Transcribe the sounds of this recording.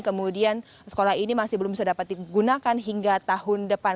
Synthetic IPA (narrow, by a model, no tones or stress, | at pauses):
kəmudian | sə̥kolaɦinimasɪhbəlʊmbisadapat̪̚diɡunakanɦiŋɡat̪aɦʊndəpa